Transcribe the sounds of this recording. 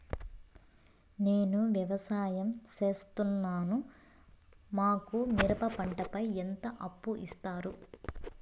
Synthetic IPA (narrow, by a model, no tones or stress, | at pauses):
neːnuʋjɐʋɐsaːjɐmt͡ʃe̞ːst̪unːaːnu | maːkumiɾɐpɐpɐɳʈɐpɐjent̪ɐʔɐpːuʔist̪aːɾu